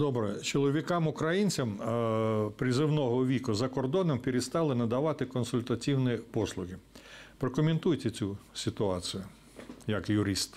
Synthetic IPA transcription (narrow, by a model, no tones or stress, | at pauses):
d̪ɔbɾɛt͡ʃɔlˠɔʋʲikɑmʊkɾɐjinʲt͡sʲɐm | pɾʲɪzɪwnɔɦɔʋʲikʊzɐkɔrd̪ɔnɔmpʲiɾʲest̪ɑlˠɪnɐd̪ɐʋɑt̪ɪkɔnsʊlʲt̪ɐtʲiwnipɔslˠʊɦɪpɾɔkɔmʲent̪ujt̪ʲɛt͡sʲusʲɪt̪ʊɑt͡sʲɪjʊ | jɐkjʊɾɪst̪